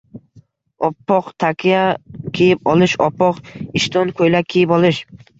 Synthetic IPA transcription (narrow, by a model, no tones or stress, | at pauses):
ɒpʰːɒqt̪ʰakʲʰijakʲʰejɪp̚ɒlˠɪʃɒpʰːɒqɪʃt̪ʰɒnkʰojlakʲʰejɪpɒlˠɪʃ